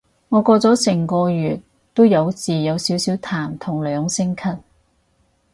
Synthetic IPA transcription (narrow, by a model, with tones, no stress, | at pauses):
ŋɔː˨˧kɔː˧t͡sɔː˨˥sɛː˨˩ŋkɔː˧jyː˨˩t̚ | t̪ːo˥wjɐ˨˧wt͡siː˨jɐ˨˧wsiː˨˥wsiː˨˥wt̪ʰaː˨˩mt̪ʰʊ˨˩ŋlœː˨˧ŋsɪ˥ŋkʰɐ˥t̚